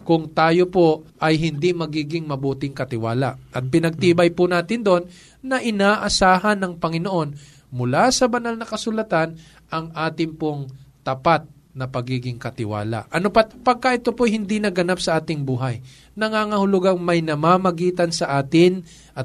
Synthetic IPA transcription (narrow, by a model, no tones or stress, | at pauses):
kʊŋt̪aːjopo̞ʔɐjɦɪnd̪imɐɡiːɡɪŋmɐbuːt̪ɪŋkɐt̪ɪwa̰ːlɐ̰ʔʔɐt̪̚pɪnɐɡ̚t̪iːbɐjpʊnaːt̪ɪnd̪o̞nː | ɐʔɪnaːʔɐsaːɦɐnːɐŋpɐŋɪno̞ʔo̞n | mʊlasɐbɐnalnɐkɐsʊlɐt̪an | ʔɐŋʔaːt̪ɪŋpoŋt̪ɐpat̪̚ | nɐpɐɡiːɡɪŋkɐt̪ɪwa̰ːlɐ̰ʔʔɐnopɐpɐɡ̚kɐʔɪt̪o̞pojhɪnd̪inɐɡɐnapsɐʔaːt̪ɪŋbuːɦɐj | nɐŋaːŋɐhʊlʊɡaŋmɐjnɐmamɐɡiːt̪ɐnsɐʔaːt̪ɪn | ʔɐ